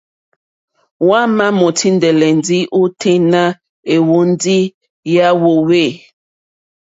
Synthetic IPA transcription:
wã˦ma˦mo˨tʰi˦n˦dɛ˨lɛ˨n˨˦di˦u˦tʰe˦na˦ | e˨wo˦n˦di˦ | ja˦wo˨we˦˨

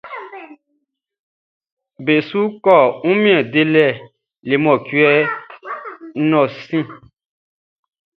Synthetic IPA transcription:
be˨su˦kɔ˦˨ŋũ˦mĩ˦ɛ̃˨de˦lɛ˦˨ | le˨mɔ̃˨kwɛ˦ | nɔ̃˨sĩ˦˨

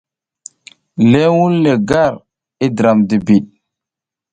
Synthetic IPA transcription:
le˦wu˦lːe˨ɡa˦˨ɾ | i˦dɾa˨mdi˨bi˨ɗ̚

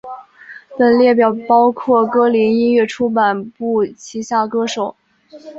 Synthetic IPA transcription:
pə˨˩nljɛ˥˩pjɑ˨˩ʊpɑ˥ʊkʰwɔ˥˩kɤ˥li˧˥ni˥nɥɛ˥˩ʈ͡ʂʰu˥pa˨˩npu˥˩t͡ɕʰi˧˥ɕja˥˩kɤ˥ʂo˨˩˦ʊ

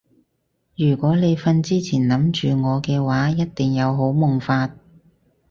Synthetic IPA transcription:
jyː˨˩kʷɔː˨˥le˨˧jfɐ˧nt͡siː˥t͡sʰiː˨˩nlɐ˨˥mt͡ʃyː˨ŋɔː˨˧kɛː˧waː˨˥jɐ˥t̚t̪ɪ˨˩ŋjɐ˨˧wɦo˨˥wmʊ˨ŋfaː˧t̚

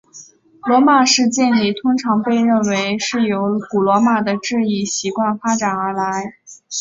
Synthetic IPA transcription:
lwɔ˧˥ma˨˩ʂɻ̩˥˧t͡ɕjɛ˥˩˧nli˥˩t̪ʰʊ˥ŋʈ͡ʂʰɑ˧˥ŋpe˥˧ɪɻə˥˩nwe˧˥ɪʂɻ̩˥˩jo˧˥ʊku˨˩lwɔ˧˥ma˨˩d̪ə˩ʈ͡ʂɻ̩˥˧i˥˩ɕi˧˥kwa˥˩nfa˥ʈ͡ʂa˨˩nə˞˧˥la˧˥ɪ

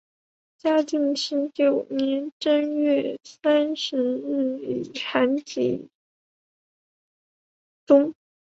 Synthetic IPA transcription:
t͡ɕja˥t̪i˥˩ŋɕi˥t͡ɕjo˨˩ʊnjɛ˧˥nʈ͡ʂə˥nɥɛ˥˩sa˥nʂɻ̩˧˥ɻ̩˥˩i˨˩ʈ͡ʂʰa˧˥nt͡ɕḭ˨˩ | t̪ʊ˥ŋ

